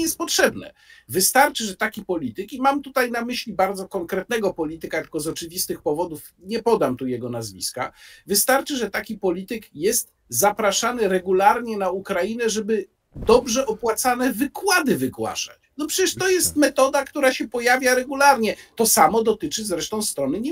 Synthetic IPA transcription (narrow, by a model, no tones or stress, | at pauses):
jɛst̪̚pɔtʂɛbnɛ̰vɘst̪aɾt͡ʂɘʐɛt̪akʲipɔlʲit̪ɘkimamt̪ut̪ajnamɘɕlʲibaɾd̪zɔkɔŋkɾɛt̪̚nɛɡɔpɔlʲit̪ɘkat̪kɔzɔt͡ʂɘvʲist̪ɘxpɔvɔd̪uf | ɲɛpɔd̪amt̪ujɛɡɔnazvʲḭska̰vɘst̪aɾt͡ʂɘʐɛt̪akʲipɔlʲit̪ɘkjɛst̪ | zapɾaʂanɘɾɛɡulaɾɲɛnaukɾajinɛʐɛbɘ | d̪ɔbʐɛʔɔpwat̪sanɛvɘkwad̪ɘvɘkwa̰ʂa̰t͡ɕnɔpʂɛt͡ɕɛʂtt̪ɔjɛst̪̚mɛt̪ɔd̪akt̪uɾaɕɛpɔjavʲjaɾɛɡulaɾɲɛt̪ɔsamɔd̪ɔt̪ɘt͡ʂɘzɾɛʂt̪ɔ̃w̃st̪ɾɔnɘɲɛ